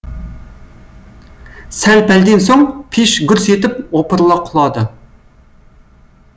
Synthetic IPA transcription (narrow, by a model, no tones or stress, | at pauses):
sælpæld̪ɪnsoŋpʰiʃɡʲyɾsjet̪ɪpopɨɾlˠɑqʰʊlˠɑd̪ɨ